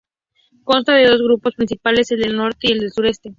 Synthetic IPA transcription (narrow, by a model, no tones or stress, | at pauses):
ko̞nst̪aðe̞ðo̞zɣɾupo̞spɾinsipale̞se̞ld̪e̞lno̞ɾt̪eie̞ld̪e̞lsuɾe̞st̪e